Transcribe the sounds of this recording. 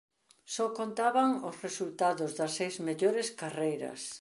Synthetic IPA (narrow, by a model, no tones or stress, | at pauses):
sɔkont̪aβaŋʊsresult̪aðʊzðɐsːejzmeʎoɾɪskarejɾɐ̰s